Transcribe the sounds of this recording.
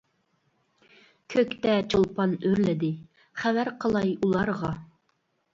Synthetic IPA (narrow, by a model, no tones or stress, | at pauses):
kʲʰøkʲt̪ɛt͡ʃʰolˠpʰɑnøɾlɪd̪ɪ | χævæɾqʰəlˠɑjulˠɑɾʁɑ